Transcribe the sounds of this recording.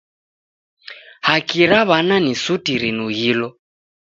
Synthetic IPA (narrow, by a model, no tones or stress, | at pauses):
hakiɾaβananisutiɾinuɣilɔ